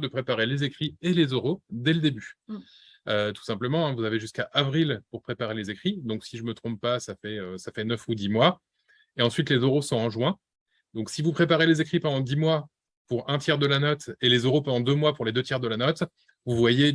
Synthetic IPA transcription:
d̪əpχepaʁelezekχielezøʁod̪ɛləd̪eby | øt̪u̥sɛ̃pləmɑ̃ɛ̃vuzaveʒyskaʔavʁilpuʁpχepaʁelezekχid̪ɔ̃ksiʒəmət̪χɔ̃ppːasafɛøsafɛnœfud̪imwa | eɑ̃sɥit̪lezøʁosɔ̃ɑ̃ʒwɛ̃ | d̪ɔ̃ksivupχepaʁelezekχipɑ̃d̪ɑ̃d̪imwa | puʁɛ̃t̪jɛʁd̪əlanɔt̪elezøʁopɑ̃d̪ɑ̃d̪ømwapuʁled̪øt̪jɛʁd̪əlanɔt̪ | vuvwaje

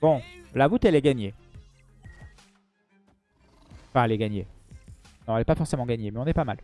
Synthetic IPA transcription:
bɔ̃lavut̪ɛlɛɡaɲe | fɛ̃ɛlɛɡaɲe | nɔ̃ɛlɛpafɔʁsemɑ̃ɡaɲemɛɔ̃nɛpamal

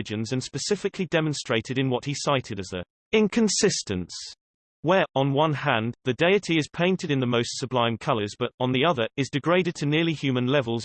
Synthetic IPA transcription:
d͡ʒɨ̃nzɨ̃nspɨsɪfɨkʰlidɛmə̃nstɹ̥eɪtɨɾɨ̃nwʌt̚hisaɪtʰɨɾɨzðə̰ | ɪ̃nkʰə̃nsɪstɨ̃ns | wə˞ʔə̃nwʌ̃nɦæ̃nðɨdeɪɨtʰiɪz̥pʰẽɪ̃ntɨɾɨ̃nðəməʊstsəblãɪ̃mkʰʌlˠə˞zbʌɾn̩ðiʌðə˞ɪzdɨɡɹeɪɾɨd̚tʰɨnɪəlihjʉmə̃nlɛvəlˠz

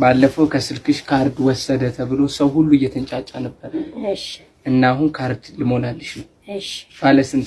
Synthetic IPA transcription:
balːəfəwkʰəsɨlkʰɨʃkʰaɾd̪wɔsːəd̪ət̪ʰəβɨlo̞səwhulːuɨjːɛt̪ʰənt͡ʃʼat͡ʃʼːanəbːəɾəl | ʔɨnːaɦunkʰaɾd̪lɨmo̞nalːəʃnəwʃb̥aləsɨn

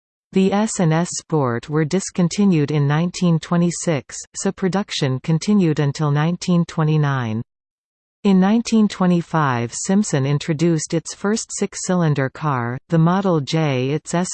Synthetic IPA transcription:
ðiɛsɛ̃nɛspɔɹt̚wə˞dɨskɨ̃ntʰɪ̃njʉɾɨ̃nːãɪ̃ntʰĩntʰw̥ɛ̃ɾ̃isɪksɨpʰɹ̥ɨdʌkʃɨ̃nkʰɨ̃ntʰɪ̃njʉɾɨ̃ntʰɪlˠnãɪ̃ntʰĩntʰw̥ɛ̃ɾ̃inãɪ̃n | ɨ̃nːãɪ̃ntʰĩntʰw̥ɛ̃ɾ̃ifaɪv̥sɪ̃mpsɨ̃nɪ̃nt͡ʃɹ̥ɨdʉstɨtsfɜ˞stsɪksɪlˠɨ̃ndə˞kʰɑɹðɨmɑɾl̩ˠd͡ʒeɪɪtsɛs

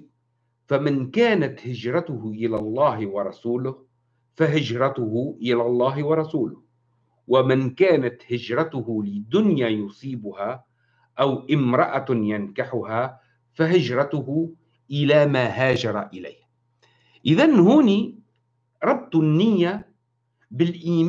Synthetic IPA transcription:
famɪnkaːnat̪hɪd͡ʒɾˤɑt̪ʊhʊʔɪlaːlˤːɑːɦwɑɾˤɑsuːlʊh | faɦɪd͡ʒɾˤɑt̪ʊhʊʔɪlaːlˤːɑːɦɪwɑɾˤɑsuːlʊh | wamɪnkaːnat̪hɪd͡ʒɾˤɑt̪ʊhʊlɪd̪ʊnjaːjʊsˤiːbʊhaː | ʔawʔɪmɾˤɑʔajankaħʊhaː | faɦɪd͡ʒɾˤɑt̪ʊhʊ | ʔɪlaːmaːɦaːd͡ʒɑɾˤɑʔɪla̰jːh | ʔɪðanhuːniː | ɾˤɑb̚t̪ˤnːɪjːa | bɪlʔiːm

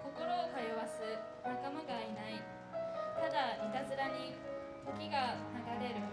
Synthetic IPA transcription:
ko̞ko̞ɾo̞ːkajoβasɨ | nakamaɡainai | t̪ad̪amʲit̪azɨɾaɲ̟i | t̪o̞kʲiɡanaɡaɾe̞ɾɯ̟

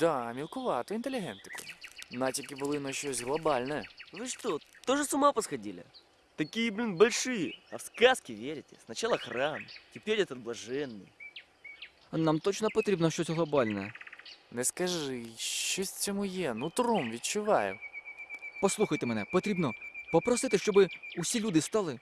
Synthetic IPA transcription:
d̪̥amʲilˠkʊʋɑt̪ʊint̪elʲɪɦɛnt̪ɪ̥kʊ̰natʲikʲɪbʊlˠɪnɔʃt͡ʃɔsʲɣlˠɐbalʲnɛjɛʋɨʂt̪ot̪oʐɨsʊmapɐsxɐdʲilʲɐ̰ | t̪ɐkʲijɪblʲinbɐlʲʂɨjɪɐfskaskʲɪʋʲeɾʲɪtʲɪ̥snɐt͡ɕalˠɐxramtʲɪpʲeɾʲɛt̪ɐt̪̚blˠɐʐɛnːɨ̰j | namt̪ɔt͡ʃnɔpɔt̪ɾʲibnɔʃt͡ʃosʲɦlˠɐbalʲnɛjɛ̰nɛskɐʐɪʃt͡ʃɔsʲt͡sʲɔmujɛnut̪ɾɔmʋʲit̚t͡ʃʊʋɑjʊ̰ | pɐslˠuxɐjt̪ɪmɛnɛpɔt̪ɾʲibnɔpɔpɾɐsɪt̪ɪʃt͡ʃɔbɪʊsʲilʲud̪ɪst̪alˠɪ

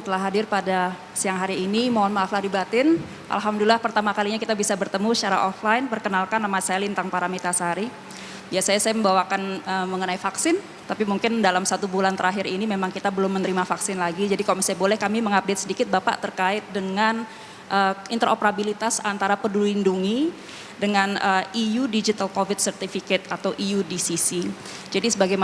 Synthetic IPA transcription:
sət̪əlahɦadɪrpada | siaŋɦaɾiːnimoɦɔnmaafladibat̪ɪn | ʔa̰lɦamdulilahpərt̪amakaliɲakit̪abisabərt̪əmusə̥t͡ʃaɾa̰ʔɔflajnpərkənalkanːamasaalɪnt̪aŋpaɾamit̪asəɦaɾi | biasajasajaməmbawakanəməŋənaifaksɪn | t̪apimuŋkɪndalamsat̪ubulant̪əɾaɦɪɾinimemaŋkit̪abəlʊmːənəɾimafaksɪnlaɡid͡ʒadikalomisajabolɛhkamiməŋap̚det̪̚sədikɪt̪̚bapa̰ʔt̪ərkaɪt̪̚dəŋan | ʔəint̪əɾʔo̰pəɾabilit̪asant̪aɾapədulinduŋi | dəŋanəijudid͡ʒit̪alkofɪt̪̚sərt̪ifikɛt̪̚at̪awʔijudisisi | d͡ʒadisəbaɡajma

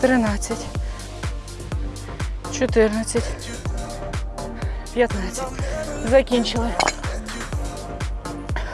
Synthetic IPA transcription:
t̪ɾɨnat̪sətʲ | t͡ɕɪt̪ɨrnət̪sətʲ | pʲjɐt̪nat̪sətʲzɐkʲinʲt͡ʃɪlˠə

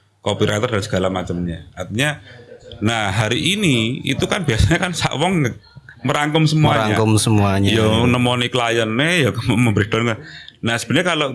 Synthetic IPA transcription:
kopiɾʔat̪ɔrdansə̥ɡ̥alamat͡ʃəmɲaart̪iɲa | nahɦaɾiʔiniḭt̪ukanb̥iasaɲakansa̰ʔwɔŋk̚məɾaŋkʊmsəmuaaɲakʊmsəmuaɲjɔnəmɔnikəlajənːejɔkamməmbɾid̪ɔnanahsə̥b̥ə̤nɲakalo

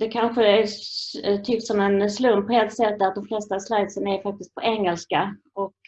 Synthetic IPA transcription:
d̪ɛkʰanɧəæ | t̪ʰʏksɔmɛnslɵmppːɔɛlt̪sɛt̪ːd̪æɾt̪d̪ɔmflɛst̪aːvslajt̪sənaæɾfak̚t̪ɪst̪̚pʰɔʔɛŋːɛlska | ɔk

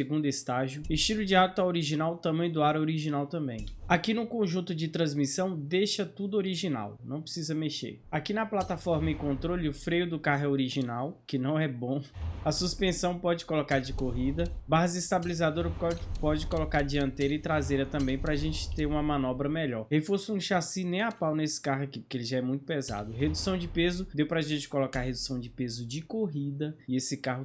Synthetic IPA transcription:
seɡũnd̪ʊɪst̪aʒjʊist͡ʃilʊd͡ʒiat̪ɐoɾiʒinawt̪ɐ̃mɐ̃j̃d̪ʊaɾɐoɾiʒinawt̪ɐ̃mbḛ̃j̃akinʊkõʒũnt̪ʊd͡ʒɪt̪ɾɐ̃zmisɐ̃w̃d̪ejʃɐt̪ud̪ʊoɾiʒina̰wnɐ̃w̃pɾɪ̥sizɐmeʃḛɾakinɐplat̪afɔɾmɐɪkõnt̪ɾolɪʊfɾejʊd̪ʊkaɦɛoɾiʒinawkɪnɐ̃w̃ɛbõɐsuspẽsɐ̃w̃pɔd͡ʒɪkolokaɾd͡ʒɪkoɦid̪ɐbaɦɐzɪist̪abilizad̪oɾɐɔpɔd͡ʒɪkolokaɾd͡ʒiɐ̃nt̪ejɾɐɪt̪ɾazejɾɐt̪ɐ̃mbẽj̃pɾɐaʒẽnt͡ʃɪ̥t̪eɾũmɐmɐ̃nɔbɾɐmɛʎɔɾhefoɾsʊũʃasinẽj̃apawnesɪ̥kaɦʊakipʊ̥kelɪʒaɛmũj̃t̪ʊ̥peza̰d̪ʊɦed̪usɐ̃w̃d͡ʒɪpezʊd̪ewpɾɐaʒẽnt͡ʃɪ̥kolokaɾɦed̪u̥sɐ̃w̃d͡ʒɪpezʊd͡ʒɪkoɦid̪ɐɪesɪkaɦʊ

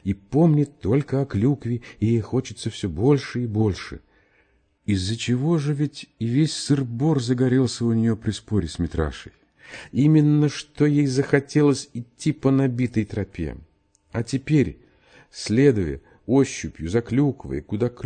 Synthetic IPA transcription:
ipo̞mnʲɪtt̪ːo̞lʲkəɐklʲukvʲɪɪjejxo̞t͡ɕɪt̪səfsʲɵbo̞lʲʂɨibo̞lʲʂɨ̰ | ɪzːət͡ɕɪvo̞ʐɨvʲɪtʲɪvʲesʲsɨrbo̞rzəɡɐɾʲelˠsʲəʊnʲɪjo̞pɾʲɪspo̞ɾʲɪsʲmʲɪt̪ɾa̰ʂɨ̰j | imʲɪnːəʂt̪o̞jejzəxɐtʲe̞lˠəsʲɪtʲːipənɐbʲit̪əjt̪ɾɐpʲḛ | ɐtʲɪpʲeɾʲ | sʲlʲe̞d̪ʊjə̰ | oɕːʊpʲjʊzɐklʲukvə̰jkʊd̪ak

